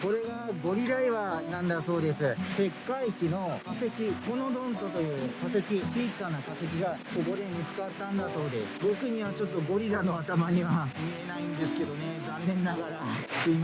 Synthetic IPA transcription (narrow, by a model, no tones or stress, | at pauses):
ko̞ɾe̞ɡaɡo̞ɾʲiɾaiβanãnd̪aso̞ːd̪e̞sɨse̞kːaikʲino̞kse̞kʲiko̞no̞d̪õ̞nt̪o̞t̪o̞jɯ̟ːkase̞kʲipʲiːkːanːakase̞k̬ʲiɡakoɡo̞ɾẽ̞ɲ̟ːiɸɨ̥kaβat̪ːãnd̪aso̞ːd̪e̞sɨ̥bo̞kɯ̟ɲ̟iβat͡ɕo̞t̪ːo̞ɡo̞ɾʲiɾano̞at̪amaɲ̟iβamʲie̞naĩnd̪e̞sɨ̥ke̞d̪o̞ne̞zãnːẽ̞nːaɡaɾat̪ei